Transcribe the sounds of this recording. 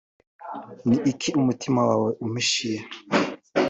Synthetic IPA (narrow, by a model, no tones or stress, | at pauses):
niʔikʰiumutʰimawaːweʔumiʃije